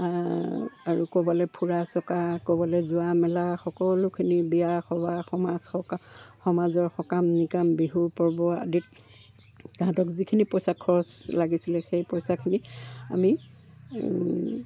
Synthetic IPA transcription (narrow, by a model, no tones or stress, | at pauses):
aɹukobɔlɛpʰuɹasɔkakobɔlɛzʊamɛlaxɔkɔlʊkʰinibiaxɔbaxɔmazɔkxɔmazɔɹxɔkamnikambiɦupɔɹbɔa̰dit̚ | ɡ̥ãtɔkzikʰinipɔjsakʰɔɹɔslaɡisilɛxejpɔjsakʰinia̰mi